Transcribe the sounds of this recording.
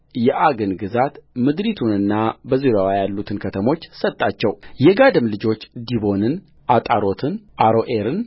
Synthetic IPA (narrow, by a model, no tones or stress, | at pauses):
jɛʔaɡɨnɡɨzat̪mɨd̪ɾit̪ʰunɨnːabəziɾawajalːut̪ʰɨnkʰət̪ʰəmo̞t͡ʃːsət̪ʼːat͡ʃːɛwjɛɡad̪ɨmlɨd͡ʒo̞t͡ʃːd̪iβo̞nɨn | ʔat̪ʼaɾo̞t̪ʰɨnʔaɾo̞ʔeɾɨn